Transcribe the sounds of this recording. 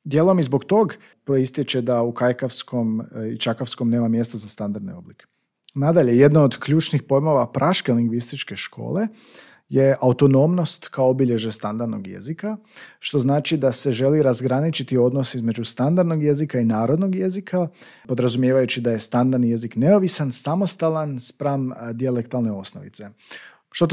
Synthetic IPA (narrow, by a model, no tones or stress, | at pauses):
d̪je̞ːlˠo̞mizbo̞ɡt̪o̞ɡ | pɾoist̪jet͡ʃed̪aukajkafsko̞mit͡ʃakafsko̞mne̞ːmamje̞st̪azast̪and̪aɾd̪neo̞blike̥ | nad̪aʎe̞je̞d̪nood̪kʎuːt͡ʃnixpo̞jmo̞ʋapɾʔaʃke̞liŋɡʋist̪it͡ʃke̞ʃkʰo̞̰ːle̞ | je̞ʔaut̪o̞no̞mno̞st̪kaoobiʎe̞ʒest̪and̪aɾd̪no̰ɡje̞̰zikaʃt̪o̞znaːt͡ʃid̪ase̞ʒe̞liɾazɡɾanit͡ʃit̪io̞d̪nosizme̞d͡ʒust̪and̪aɾd̪no̞ɡje̞zikainaːɾod̪no̞ɡje̞zikʰapo̞d̪ɾazumjeːʋajut͡ʃid̪aje̞st̪and̪aɾd̪nije̞zikne̞o̞ʋisansamo̞st̪alanspɾamd̪iale̞kt̪alne̞o̞sno̰ʋḭt̪se̞ | ʃt̪o